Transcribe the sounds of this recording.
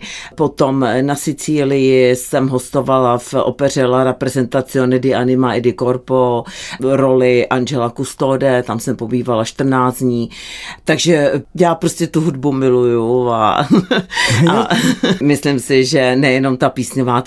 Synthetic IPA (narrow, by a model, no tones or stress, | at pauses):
pot̪omnasɪt͡siːlɪjɪsɛmɦost̪o̞valafʔo̰pɛr̝ɛlaɾɛpɾɛzɛnt̪at͡sɪonɛdɪʔanɪmaɛdɪkoɾpoɾo̞lɪʔanʒɛlakust̪odɛt̪amsɛmpobiːvalaʃt̪r̩naːt͡sd͡zɲiːt̪aɡʒɛjaːpɾoscɛt̪uɦudbumɪlujua̰ | amɪslɪmsɪʒɛnɛjɛno̞mt̪apiːsɲovaː